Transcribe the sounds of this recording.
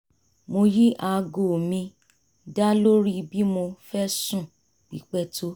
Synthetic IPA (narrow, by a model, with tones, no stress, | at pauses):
mo˧ji˦ʔa˧ɡo˨mĩ˧ | da˦lo˦ɾi˦bi˦mo˧fɛ˦sũ˦˨ | k͡pi˨k͡pɛ˦tʰo˦